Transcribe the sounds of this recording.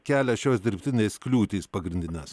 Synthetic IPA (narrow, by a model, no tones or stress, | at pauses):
kʲæːlʲɛʃʲoːsd̪ʲɪɾʲpʲt̪ʲɪnʲeːsklʲuːt̪ʲiːspɐɡɾʲɪnʲd̪ʲɪnʲɛs